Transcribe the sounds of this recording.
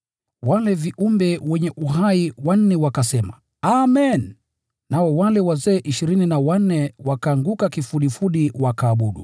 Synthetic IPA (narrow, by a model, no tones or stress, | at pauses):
walɛviʔumbɛwɛɲɛʔuɦaiwan̩nɛwakasɛma̰ | amɛn | naɔwalɛwazɛːʔiʃiɾininawan̩nɛwakaːŋɡukakifuɗifuɗiwakaːɓuɗṵ